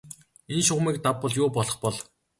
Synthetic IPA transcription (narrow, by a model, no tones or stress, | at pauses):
enʃʊʁmiːk̚t̪apːɔɮjʊːpɔɮɞ̆χpɔɮ